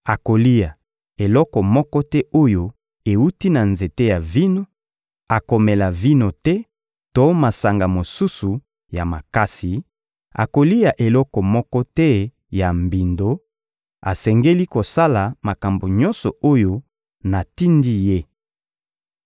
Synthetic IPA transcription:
a˨ko˨li˦ja˨ | e˨lɔ˦kɔ˨mɔ˦kɔ˦tɛ˦o˦jo˦ | e˨u˦ti˦na˨nze˨te˦ja˨vi˦no˨ | a˨ko˨me˨la˨vi˦no˨tɛ˦ | to˦ma˨sa˨ŋɡa˨mo˨su˦su˨ | ja˨ma˨ka˦si˨ | a̰˨ko˨li˦ja˨ʔe˨lɔ˦kɔ˨mɔ˦kɔ˦tɛ˦ | ja˨mbi˨ndo˦ | a̰˨sɛ˨ŋɡe˦li˦ko˨sa˦la˨ma˨ka˨mbo˨ɲɔ˦nsɔ˨o˦jo˦ | na˨ti˦ndi˦je˦

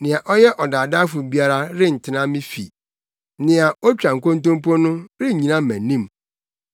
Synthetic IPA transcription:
nɪ̃˨a˨ʔɔ˦jɛ˦ʔɔ˨da˨da˦fʊ˨bi˦a˦ɾa˦ɾɪ˦n̩˨tʰɪ˦nã˦mɪ̃˦fḭ˨ | nɪ̃˨a˨ɔ˦t͡ɕᶣɾã˨ŋ̩˨kõ˦n˦tõ˦m˦pʰɔ̃˦nʊ̃˦ɾɪ˦˨ɲĩ˨nã˦m̩˨mæ̃˨nĩ˦m

